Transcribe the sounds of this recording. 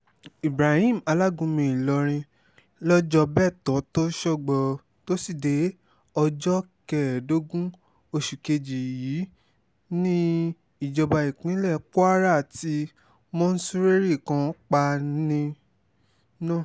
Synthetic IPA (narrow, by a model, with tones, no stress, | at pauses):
i˨bɾa˨hĩ˦˨m̩˨a˧la˦˨ɡũ˧mĩ˧i˨lɔ˧ɾ̃ĩ˧ | lɔ˦d͡ʒɔ˧bɛ˦˨tɔ˨˦to˦ʃɔ˦˨ɡ͡bɔ˨ | to˦si˦˨de˨˦ | ɔ˧d͡ʒɔ˦kɛ˨do˦ɡũ˦ | o˧ʃu˨ke˧d͡ʒi˨jiː˨˦ | nĩ˦ | i˨d͡ʒɔ˧ba˧i˨k͡pĩ˨˦lɛ˦˨k͡pu˦a˦ɾa˦˨ti˧˦ | mɔ̃˦n̩˦su˦ɾe˦ɾi˦˨kã˨˧k͡pa˧nĩ˧ | nãː˦˨